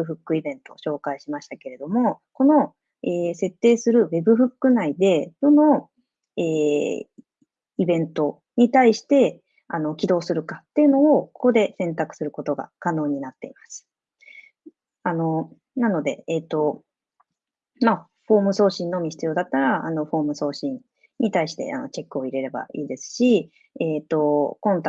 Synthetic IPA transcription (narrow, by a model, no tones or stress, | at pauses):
ɯ̟ɸɯ̟kːɯ̟ibẽ̞nt̪o̞̰ɕo̞ːkaiɕimaɕi̥t̪ake̞ɾe̞d̪o̞mo̞ko̞no̞ | eːse̞t̪ːe̞ːsɨɾɯ̟βe̞bɯ̟ɸɯ̟kːɯ̟naid̪e̞d̪̥o̞no̞ | eː | ibẽ̞nt̪o̞ | ɲ̟it̪aiɕi̥t̪e̞ | ano̞kʲid̪o̞ːsɨɾɯ̟kat̪ːe̞jɯ̟no̞ːko̞̥ko̞d̪e̞sẽ̞nt̪akɯ̟̥sɨɾɯ̟ko̞t̪o̞ɡa̰kano̞ːɲ̟inat̪ːe̞̰imasɨ̥ | ano̞ | nano̞d̪e̞̰eːt̪ːo̞ | ma | ɸo̞ːmɯ̟so̞ːɕĩnːo̞mʲiçi̥t͡sɨijo̞ːd̪at̪ːaɾaano̞ɸo̞ːmɯ̟so̞ːɕĩn | ɲːit̪aiɕi̥t̪e̞̰ʔa̰no̞̰t͡ɕe̞kːɯ̟o̞iɾe̞ɾe̞ba̰iːd̪e̞sɨ̥ɕi | eːt̪o̞kõ̞nt̪